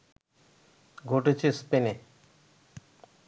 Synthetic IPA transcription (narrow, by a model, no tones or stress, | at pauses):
ɡʱoʈet͡ɕʰespene